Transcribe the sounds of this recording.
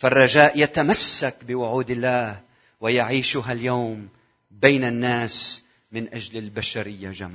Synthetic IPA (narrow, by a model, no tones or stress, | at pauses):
farˤːɑʒaːʔjat̪amasːakbɪwʊʕuːd̪ɪlːaːh | wɪjaʕiːʃʊɦaljawm | bejːnanːaːs | mɪnʔad͡ʒlɪlbaʃaɾɪjːad͡ʒamaː